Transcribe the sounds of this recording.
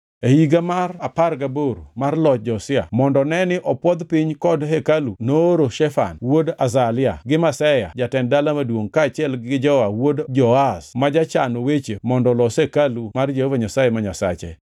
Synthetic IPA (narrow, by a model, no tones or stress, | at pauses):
ehiɡamaraparɡaboɾumarlɔt̚d͡ʒɔsɪa̰mɔndɔnɛnɪʔɔpwɔd̪piɲkɔdɦekalunoːɾoʃɛfa̰nwodazalɪaɡɪmasɛja̰d͡ʒatɛndalamadwoŋkaːt͡ʃɪɛlɡɪd͡ʒɔwawodd͡ʒɔasmad͡ʒat͡ʃanowet͡ʃemɔndɔlɔsekalumard͡ʒehovaɲasajemaɲasa̰t͡ʃḛ